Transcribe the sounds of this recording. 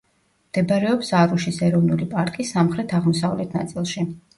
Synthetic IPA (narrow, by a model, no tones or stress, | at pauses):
md̪̥ɛbaɾɛɔpsaɾuʃisɛɾɔvnulipʼaɾkʼisamχɾɛt̪ʰaʁmɔsavlɛt̪ʰna̰t̪sʼilˠʃi